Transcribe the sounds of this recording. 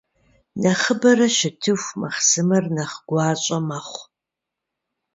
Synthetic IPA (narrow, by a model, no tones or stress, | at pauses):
nɐχəbɐrɐʃɪtʰɨxʷmɐχsɨmɐrnɐχɡ̥ʷɑːɕʼɐmɐχʷ